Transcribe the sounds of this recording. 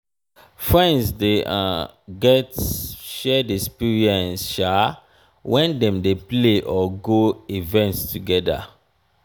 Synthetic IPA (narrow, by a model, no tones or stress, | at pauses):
fɹɛ̃nsdeʔɡɛtʃɛdɛkspiɹiɛ̃nsʃa | wʔɛ̃ndɛ̃mdepleʔɔɡoivɛ̃ntstʰuɡɛda̰